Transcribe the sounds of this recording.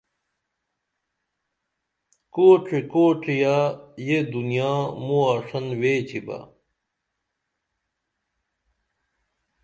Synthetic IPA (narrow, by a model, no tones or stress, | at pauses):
koːʈ͡ʂikoːʈ͡ʂijajed̪unijãːmuaːʂɐnweːt͡ɕʰiba̰